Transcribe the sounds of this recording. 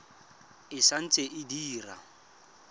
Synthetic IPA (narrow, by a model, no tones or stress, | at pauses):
ɪsan̩t͡sʼeʔɪdiːra̰